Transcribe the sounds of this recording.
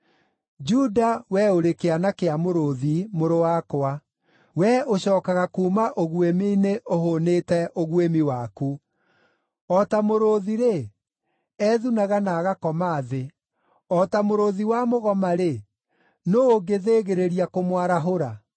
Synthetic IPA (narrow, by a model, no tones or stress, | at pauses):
d͡ʒudawɛoɾekeanakeamoɾoðimoɾowaːkoa | wɛoɕɔːkaɣakuːmaʔoɣwemineʔohonetɛʔoɣwemiwaku | ɔtamoɾoðiɾe | ɛðunaɣanaːɣakɔmaːðe | ɔtamoɾoðiwamoɣɔmaɾe | noːɡeðeɣeɾeɾiakomwaɾaɦoɾa